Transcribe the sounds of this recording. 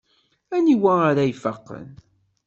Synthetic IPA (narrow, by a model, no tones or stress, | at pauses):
æniwæaɾajfəqːə̰n